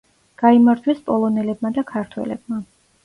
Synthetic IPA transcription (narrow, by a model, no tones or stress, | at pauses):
ɡ̥aimaɾd͡ʒ̪ʰwɛspʼɔlˠɔnɛlɛb̚mad̪akʰaɾt̪ʰwɛ̰lɛ̰b̚ma